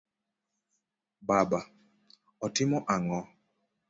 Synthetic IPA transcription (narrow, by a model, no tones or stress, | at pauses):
baba | ɔtɪmɔʔaŋɔ